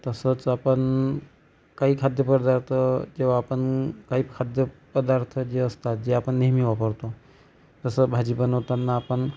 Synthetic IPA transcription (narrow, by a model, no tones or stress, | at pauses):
t̪ɐsət͡sapən | kaikʰad̪jəpəd̪aɾt̪ʰd͡ʒeapənkaikʰad̪jəpəd̪aɾt̪ʰd͡ʒeəst̪at̪d͡ʒeapənːeɦmiʋapəɾt̪o | t̪əsəbʱad͡ʒibənot̪anːaːpən